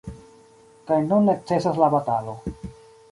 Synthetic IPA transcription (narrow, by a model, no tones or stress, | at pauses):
kajnunːet͡se̞saslabatalo̞